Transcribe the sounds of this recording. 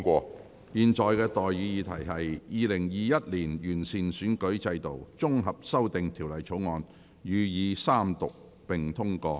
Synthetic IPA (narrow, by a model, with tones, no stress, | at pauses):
kʷɔː˧ | jiː˨nt͡sɔː˨jkɛː˧t̪ɔː˨˩jːiː˨˧˥jiː˨˧t̪ʰɐ˨˩jɦɐ˨jjiː˨˧lɪ˨˩ŋjiː˨˧jɐ˥t̚liː˨˩njyː˨˩nsiː˨nsyː˨˥nkɵ˨˥ɥt͡sɐ˧jt̪o˨wt͡sʊ˥ŋɦɐ˨p̚sɐ˥wt̪ɪ˨ŋt̪ʰiː˨˩wlɐ˨jt͡sʰo˨˥wŋɔː˨˧n | jyː˨˧jiː˨˧saː˥mt̪ʊ˨k̚ | pɪ˨ŋt̪ʰʊ˥ŋkɔː˧